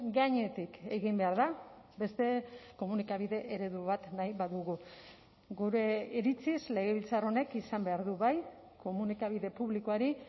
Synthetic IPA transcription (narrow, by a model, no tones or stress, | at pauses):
ɡaɲe̞t̪ike̞ɣimbe̞aɾða | be̞st̪e̞ko̞munikaβ̞iðe̞ʔeɾe̞ðuβat̪najβaðuɣu | ɡuɾe̞iɾit͡sizle̞ɣe̞β̞ilt͡saro̞ne̞kisambe̞aɾðuβaj | ko̞munikaβ̞iðe̞puβlikoaɾi